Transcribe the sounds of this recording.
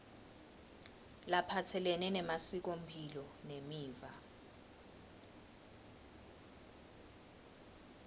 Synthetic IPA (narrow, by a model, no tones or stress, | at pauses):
lapʰatʰɛlɛnɛnɛmasik̬om̩pʰilɔnemiːva